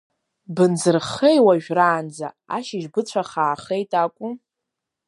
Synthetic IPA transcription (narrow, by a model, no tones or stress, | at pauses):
bɨnzɨrχejwaʒᶣraːnd͡za | a̰ʃɪʒbɨt͡ɕʷʰaχaːχejtʼakʷʼu